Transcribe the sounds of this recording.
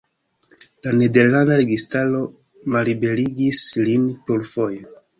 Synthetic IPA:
lane̞de̞ɾlandaɾe̞ɡistalo̞ | malɾibe̞ɾiɡislinpoɾfo̞je

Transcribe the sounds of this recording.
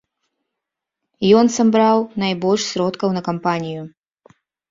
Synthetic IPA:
jɔnsambɾawnajbɔlʲʂsʲɾɔt̪kɐwnɐkampanʲiju

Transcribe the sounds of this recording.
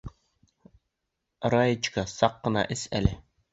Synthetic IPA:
ɾɑjit͡ʃkɑsɑqːənɑ̰ʔɪsɛ̰lɪ

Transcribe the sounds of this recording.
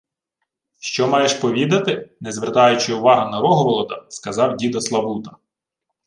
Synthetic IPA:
ʃt͡ʃɔmɑjeʃpɔʋʲid̪ɐt̪ɪnɛzʋert̪ɑjʊt͡ʃɪʊʋɑɦɐnɐɾɔɦɔɾɔlˠɔd̪ɐskɐzɑwdʲid̪ɐslˠɐbut̪ɐ̥

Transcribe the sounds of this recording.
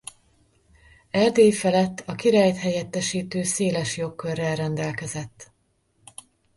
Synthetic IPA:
ɛld̪eːjfɛlɛt̪ːɒkiɾaːjt̪hɛjɛt̪ːɛʃiːt̪øːseːlɛʃjo̞kːørːɛlrɛnd̪ɛlkɛzɛt̪ː

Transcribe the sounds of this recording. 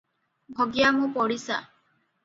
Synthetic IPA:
bʱɔɡjamũpɔɽisa̰

